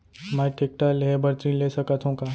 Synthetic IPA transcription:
mɛʈʰeːk̚ʈaːlɦebɐɾt̪ɾĩleːsɐkat̪ʰũkaː

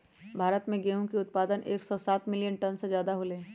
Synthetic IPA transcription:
bʱaːɾət̪mẽɡeːũkiʊt̪̚paːd̪ənʔeːksɔːsaːt̪mɪlijənʈənsezjaːd̪aɦolẽː

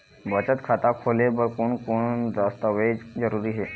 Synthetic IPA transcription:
bət͡ɕət̪kʰat̪akʰolebəɾkoɳkoɳd͡zast̪əʋed͡zəɾuɾiːɦe

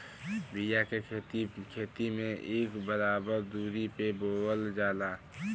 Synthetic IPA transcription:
bijakekʰeːt̪imẽʔeːkbəɾaːbəɾd̪uːɾipeboːəld͡ʒaːlaː

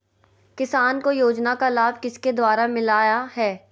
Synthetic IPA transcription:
kɪsaːnkojoːd͡ʒnakalaːb̚ʱkɪsked̪waːɾamɪlaːjaɦɛː

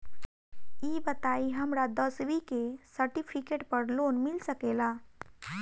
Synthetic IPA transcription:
jiːbət̪aiɦəmɾad̪əsʋikesəɾʈipʰikeʈpəɾloːnmilsəkela

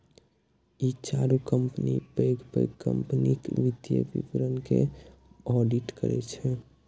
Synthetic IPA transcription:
it͡ʃaɾukəmpənipeɡpə̰kə̰mpnikʋid̪jə̰bḭpəɾənke | ɔɖiʈkə̰ɾɛ̰t͡ʃʰɛ

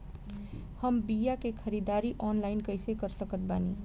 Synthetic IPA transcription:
həmbijakekʰəɾid̪aɾiʔɔːnlaɪnkəjsekəɾsəkət̪̚baːni

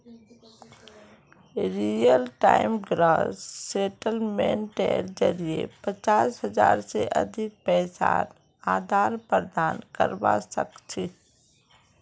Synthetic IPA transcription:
ɾiːjəlʈaːɪmɡɾaːsseːʈəlmẽɳʈɛːɾd͡ʒəɾiepət͡ʃaːsɦəzaːɾseʔɐ̰d̪ʱɪk̚pɛːsa̰ːɾ | aːd̪ʱaːɾpəɾd̪aːnkə̰ɾbasə̰kt͡ʃʰe

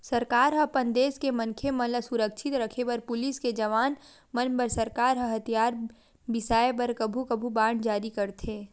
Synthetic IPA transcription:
sɐɾkaːɾɦɐpɐ̃nd̪eːskemɐnkʰemɐ̃ɦləsʊɾəkʃʰɪt̪ɾɐkʰepɐɾpʊlɪsked͡ʒɐʋaːn | mɐnpəɾsɐɾkaːɾɦəɦɐt̪ʰijaːɾ | bɪsaːepɐɾkɐbʱukɐbʱubaːɳd͡ʒaːɾikɐɾt̪ʰẽː

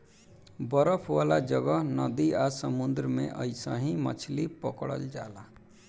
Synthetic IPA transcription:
bəɾəpʰʋaːlad͡ʒəɡəɦnəd̪iasəmund̪ɾəmḛ̃ʔə̰ɪsãɦĩmə̰t͡ʃʰlipəkɽə̰ld͡ʒa̰ːla

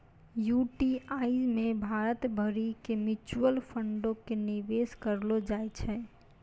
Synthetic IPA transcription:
juʈiaid͡ʒmebʱaɾət̪bʱəɾikemit͡ʃuəlpʰəɳɖõkeniʋeskəɾlod͡ʒajt͡ʃʰɛ

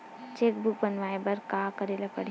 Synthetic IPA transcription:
t͡ʃeːk̚buk̚bənʋaːebɐɾkaːkəɾeːlapɐɽ

